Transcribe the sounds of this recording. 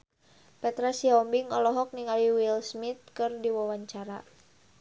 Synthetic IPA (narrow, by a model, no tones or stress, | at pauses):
pɛt̪ɾasiɔmbiŋɔlɔɦɔk̚niŋaliwilsmit̪̚kɨrdiwawaɲt͡ʃaɾa̰